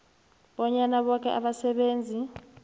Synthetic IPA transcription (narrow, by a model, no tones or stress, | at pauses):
ɓɔɲanaɓɔk̬ʰɛ̰ʔaɓasɛɓeːnd͡zʱi